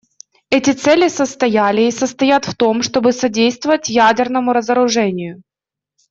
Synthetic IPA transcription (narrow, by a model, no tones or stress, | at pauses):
ɛtʲɪt̪sɛlʲɪsəst̪ɐjælʲɪːsəst̪ɐjat̪ft̪o̞mʂt̪o̞bɨsɐdʲejst̪vəvətʲjædʲɪrnəmʊɾəzəɾʊʐɛnʲɪjʊ